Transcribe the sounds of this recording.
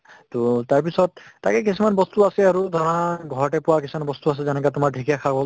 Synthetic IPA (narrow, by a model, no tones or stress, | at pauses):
totaɹp̬isɔt̚ːakɛkisumanbɔstuasɛaɹudʱɔɹaɡʱɔɹɔʈɛpʊwakisumanbɔstuas̬ɛzɛnɛkatʊmaɹʈʰikijakʰabɔ